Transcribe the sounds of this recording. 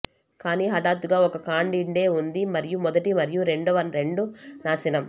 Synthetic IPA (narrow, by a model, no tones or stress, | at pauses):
kaːniːɦɐʈaːɾt̪uɡaːɔkɐkaːɳɖiɳɖe̞ːund̪imɐɾijumɔd̪ɐʈimɐɾijuɾe̞ɳɖuʋɐnɾe̞ɳɖunaːsinɐm